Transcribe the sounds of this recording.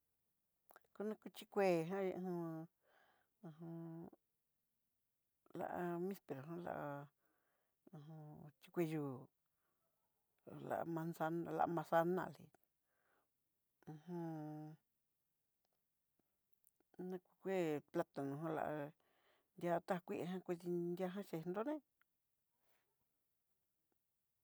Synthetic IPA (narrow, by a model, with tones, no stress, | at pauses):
ku˧nã˦ku˧t͡ʃi˦kʷe˦˨ɦã˦je˧hũ˧ | ɦũ˧ | la̰˧ʔa˧mĩ˦spe˨ɾo˨ɦã˦la̰˧ʔa˧ | ũ˧ɦũ˧t͡ʃi˧kʷe˧juː˧˨ | la̰˧ʔmã˧nsa˧nã˧la̰˧ʔmã˧sa˦nã̰˧˨lḭ˧˨ | ũ˧hũ˧ | nã˧kʷi˧kʷe˦pla˦t̪a˨nũ˧ɦõ˦la̰˧ʔa˧ | nd̪ʲa˧t̪a˦a˧kʷi˦ʔe˧ɦã˦kʷi˧t̪i˧ndʲa˦˧ɦã˦ʃe˧nd̪o˦nẽ˦